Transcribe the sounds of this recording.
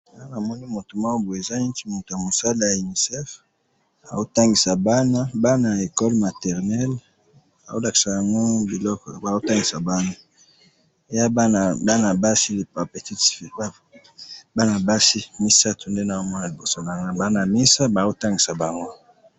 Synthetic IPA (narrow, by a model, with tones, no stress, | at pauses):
a˨a˦na˨mɔ˦ni˦mo˨to˨ma˦wo˦bo˨e˨za˦i˦ti˦mo˨to˨ja˨mo˨sa˦la˨ja˨i˨ni˨sɛ˦f | a˨o˦ta˦ŋɡi˨sa˨ba˦na˦ba˦na˨e˨kɔ˦lma˨tɛ˨ʁnɛ˦l | a˨o˦la˨ki̥˨sa˨ja˨ŋɡo˦bi˨lɔ˦kɔ˨ba˨o˦ta˦ŋɡi˨sa˨ba˦na˦ | e˨ja˦ba˦n˨ba˦na˨ba˦si˦li˨pa˨pe˨ti˦ti˨fi˨ba˦ | ba˦na˨ba˦si˦mi˦sa˦tʰo˨nde˦na˨o˦mɔ˦na˨li˨bo˨sa˦la˨ŋ˦na˨ba˦na˨mi˦sa˦ba˨zo˦ta˦ŋɡi˨sa˨ba˨ŋɡo˦